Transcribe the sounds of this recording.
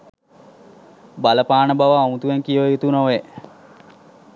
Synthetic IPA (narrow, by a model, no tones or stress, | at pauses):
baləpaːnəbaʋaːut̪uʋeŋkijəʋəjut̪unoʋe